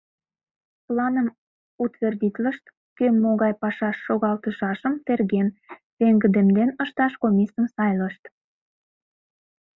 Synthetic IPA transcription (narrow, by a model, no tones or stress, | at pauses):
plɑnəm | ut̪verd̪ʲit̪ləʃt̪ | kømːoɣɑjpɑʃɑʃːoɣɑlt̪əʃɑʃəmt̪erɣen | peŋɡə̆d̪emd̪enəʃt̪ɑʃkomʲisəmsɑjləʃt̪